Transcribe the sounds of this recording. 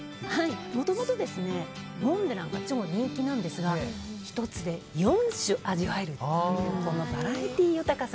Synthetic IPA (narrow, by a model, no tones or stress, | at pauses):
haimo̞t̪o̞mo̞t̪o̞d̪e̞sɨne̞ | mõ̞nd̪enãŋkat͡ɕimoɾẽkʲinãnd̪e̞sɨɡaçi̥t̪o̞t͡sɨd̪e̞jõɰ̃ɕɨʔaʑiβae̞ɾɯ̟t̪ko̞no̞baɾait̪ʲiːjɯt̪akasa